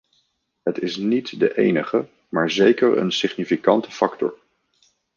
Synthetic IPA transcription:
ɦətɪsnitdəʔejnəχə | maːɹzejkəɹə̰nsɪχnifikɑntə̥fɑktɔ̰ɹ

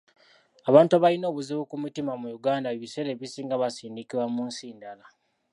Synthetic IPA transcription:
aβaːntuaβalino̞ːβuziβukumitimamujuɡaːndaeβise̞ɾe̞βisiːŋɡaβasiːndikiɾwamuːnsiːndala

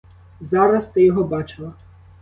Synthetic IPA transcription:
zɑɾɐst̪ɪjɔɦɔbɑt͡ʃɪlˠɐ

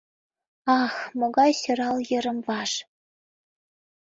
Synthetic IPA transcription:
ɑxmoɡɑjsøɾɑljɤ̆ɾɤ̆mvɑʃ

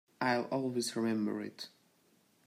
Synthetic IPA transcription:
ʔaɪlɔlˠwizɹɪmɛ̃mbə̰˞ɪ̰t

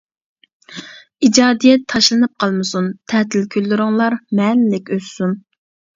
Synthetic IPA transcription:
id͡ʒɑːd̪ijɛt̪ʰːɑʃlˠɨnɨp̚qʰɑlˠmɨsunt̪ʰɛt̪ʰɪlkʲʰølːyɾɪŋlˠɑɾmɛnlɪkʲøzsun

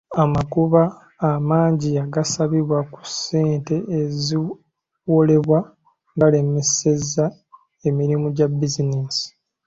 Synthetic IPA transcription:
amakuβaː | maːɲɟiaɡasaβiβwaku̥se̞ːnte̞ʔezi | wole̞βwa | ŋɡale̞me̞se̞zːa | e̞miɾimuɟabːizineːsi̥

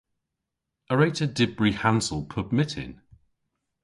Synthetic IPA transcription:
əɹeɪtədɪbɹihãnsəlˠpʰʊpmɪtʰɪ̰̃n

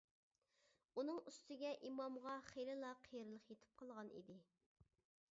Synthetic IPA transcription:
unɨŋyst̪ɪɡʲɛʔimɑmʁɑχejlɪlˠɑqʰejɾlˠəχjet̪ʰɪ̥p̚qʰɑlˠʁɑnḭd̪ɪ

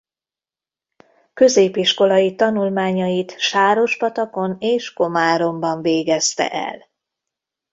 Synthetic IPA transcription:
kø̞zeːpiʃko̞lɒjit̪ɒnulmaːɲɒjit̪ʃaːɾo̞ʃpɒt̪ɒko̞neːʃko̞maːɾo̞mbɒɱveːɡɛst̪ɛ̰ʔɛ̰l

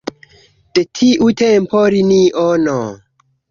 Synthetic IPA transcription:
d̥etʰiʔutʰempʰoɾiniʔono

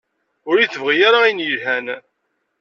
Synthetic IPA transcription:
ʊɾiθəvʁijaɾaijnjəlhæn

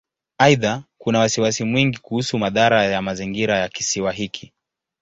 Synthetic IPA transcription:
aiðakunawasiwasimwiŋɡikuhusumaðaɾajamaziŋɡiɾajaki̥siwaɦikʰi

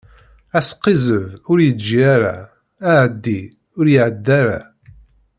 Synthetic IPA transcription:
æsqːizəvʊɾjəd͡ʒiaɾa̰ː | ʕəd̪ːi | ʊɾjiʕəd̪ːaɾa̰

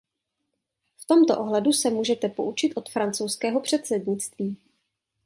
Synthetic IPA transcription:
ft̪o̞mt̪o̰ʔo̞ɦlɛdusɛmuːʒɛt̪ɛpo̞ʔut͡ʃɪt̪ʔo̞t̪fɾant͡sowskɛːɦo̞pr̝̥ɛt̪sɛdɲɪt͡st̪viː

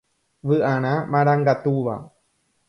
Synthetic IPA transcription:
ʋɨʔaɽ̃ãmãɾaŋɡat̪uʋa̰

